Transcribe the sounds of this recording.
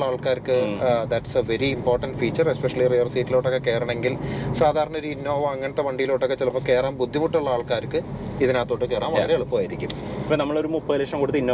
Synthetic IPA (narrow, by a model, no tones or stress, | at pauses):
ɐaːɭkaːɾkɨd̪ɐʈseʋe̞ɾiːmpo̞ːrʈɐnɖfiːt͡ɕːɐrespeʂɐlirijɐrsiːtːiloːʈːokːeke̞ːrɐɳɐ̃eŋɡilsaːd̪ʱaːɾɐɳɐo̞ɾuinːo̞ːʋɐmɐŋːɐɳɐt̪ːeʋɐɳɖijilo̞ːʈːokːet͡ɕelɐpːoke̞ːraːmbud̪ʱːimuʈːuɭːɐaːɭkaːɾkːɨiðinaːt̪ːo̞ːʈːɨke̞ːraːmʋɐːɾeɐɭɨpːoːaːjiɾikʲːum | ɐpːonɐmːɐɭo̞ɾumupːɐleʂɐmkuɽut̪ːɐinːo